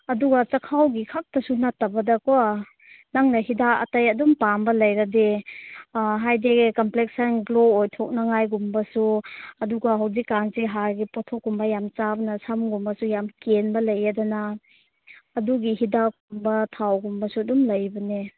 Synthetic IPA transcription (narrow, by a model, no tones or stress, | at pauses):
ɐduɡat͡ʃɐkʰawɡikʰak̚tɐsunatːabɐdɐkua | naŋnɐɦidaɐ̰tɐjɐdumpambɐlɐjɾade | ɦajdeɡkɐmplek̚sɐnɡloːjtʰɔk̚naŋajɡumbɐsuɐduɡaɦawzikːansiɦaɾɡipɔtʰɔkːumbɐjamt͡ʃabɐnasamɡumbɐsujamkenbɐlɐjadɐnaː | duɡihidakumbɐtʰawɡumbɐsuɐdumlɐjbɐne